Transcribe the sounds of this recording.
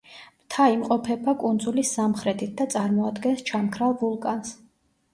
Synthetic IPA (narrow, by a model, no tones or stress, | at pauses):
mt̪ʰaimqʼɔpʰɛbakʼund̪zulisamχɾɛt̪ʰit̪̚ʰd̪at̪sʼaɾmɔad̪ɡɛnst͡ʃʰamkʰɾalˠvulˠkʼans